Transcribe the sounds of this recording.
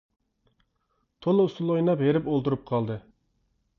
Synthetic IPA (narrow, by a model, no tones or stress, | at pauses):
t̪ʰolˠust̪ulˠojnɑpɦeɾɪpolˠt̪uɾup̚qʰɑlˠd̪ɨ